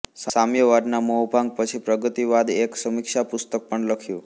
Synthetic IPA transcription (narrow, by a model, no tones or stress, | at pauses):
samjəʋad̪naməɦbʱãŋɡ̚pət͡ʃʰipɾəɡət̪iʋad̪eksəmɪkʃapʊst̪ək̚pəɳləkʰjũ